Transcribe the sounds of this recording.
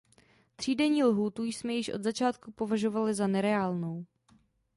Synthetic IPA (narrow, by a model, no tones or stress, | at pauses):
t̪r̝̥iːdɛɲiːlɦuːt̪ujsmɛjɪʃʔo̞d̪zat͡ʃaːt̪kupo̞vaʒo̞valɪzanɛɾɛaːlno̞w